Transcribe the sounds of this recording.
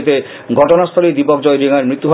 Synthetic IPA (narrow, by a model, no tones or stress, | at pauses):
t̪e | ɡʱɔʈonast̪ʰɔled̪ipɔkd͡ʑɔeɾiŋaɾmit̪ːuɦa